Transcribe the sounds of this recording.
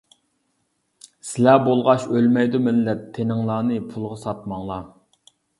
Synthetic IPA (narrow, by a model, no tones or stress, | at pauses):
sɪlæbolˠʁɑʃølmɛjd̪umɪlːɛt̪ʰːenɪŋlˠɑːnɨpʰulˠʁɑsɑt̪mɑŋlˠɑ